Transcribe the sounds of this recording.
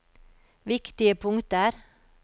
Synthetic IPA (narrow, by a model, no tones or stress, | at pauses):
ʋɪkt̪ɪəpʰʊŋt̪əæːɾ